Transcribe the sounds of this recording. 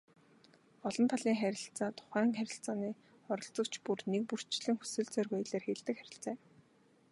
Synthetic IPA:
ɔɮɞ̆nt̪ʰaɮiːŋχæɾʲɪ̆ɬt͡saːt̪ʰʊ̥χæːŋχæɾʲɪ̆ɬt͡saːniː | χɔɾɞ̆ɮt͡sɞ̆kt͡ɕʰpurnek̚pur̥t͡ɕɮɘ̆ŋxu̥sɘ̆ɮt͡sœːrɣœjɮeːrxeɮt̪ɘ̆kχæɾʲɪ̆ɬt͡sæː

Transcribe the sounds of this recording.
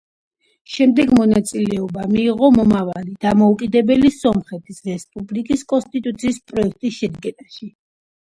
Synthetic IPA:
ʃɛmd̪ɛɡmɔnat̪sʼilɛɔbamiːʁɔmɔmavalid̪amɔukʼid̪ɛbɛlisɔmχɛt̪ʰisɾɛspʼublikʼiskʼɔnst̪ʼit̪ʼut̪sʰiːspʼɾɔɛk̚ʰt̪ʼisʃɛd̪ɡɛnaʃi

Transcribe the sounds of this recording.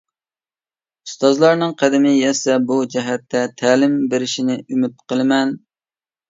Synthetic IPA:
ust̪ɑzlˠɑɾnɨŋqʰæd̪ɪmɪjɛsɛbud͡ʒɛɦɛt̪ːɛt̪ʰæːlɪmbeɾɪʃinɪymɪt̪̚qʰəlˠɨmɛn

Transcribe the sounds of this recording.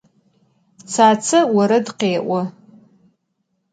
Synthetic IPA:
t͡sʰaːt͡sʰɨwaɾadqeːʔʷʊ

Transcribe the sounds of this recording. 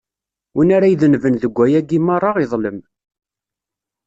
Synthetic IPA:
wənaɾæjðənvənðəɡʷːæjæɡimɑrˤːɑʁiðˤləm

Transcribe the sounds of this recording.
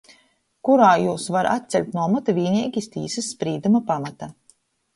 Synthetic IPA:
kuɾaːjuːsvaɾʔa̰t̪̚t̪sʲɛlʲt̪nuɔmɔt̪avʲiːnʲiɛɡʲist̪ḭːsɐsːpɾiːd̪umapamat̪a

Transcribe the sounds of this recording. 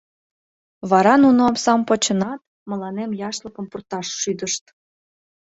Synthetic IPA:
βɑɾɑnunoɑmsɑmpot͡ɕə̆nɑt̪ | mə̆lɑnemjɑʃləkəmpurt̪ɑʃːyd̪əʃt̪

